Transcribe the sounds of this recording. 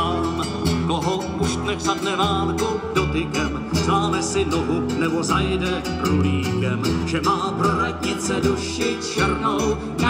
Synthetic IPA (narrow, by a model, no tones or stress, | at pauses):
am | koɦo | uʃt̪nɛksadnɛvaːŋkudot̪ɪkɛm | zlaːmɛsɪnoɦunɛbozajɛdɛ | pɾuliːbɛmʒɛmaːpɾoɾad̪ɲɪt͡sɛduʃɪt͡ʃɛɾnow